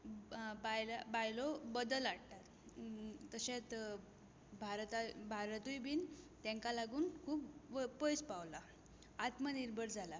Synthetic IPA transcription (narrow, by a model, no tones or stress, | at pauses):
bajlabajlɔbəd̪əlaɽt̪at̪ː | əɕẽt̪ | bʱaɾt̪abʱaɾt̪ujbiːnt̪ɛ̃ŋkalaɡuːnkʰuːpʋpojspaʋlaː | t̪məniɾbəɾd͡zʱala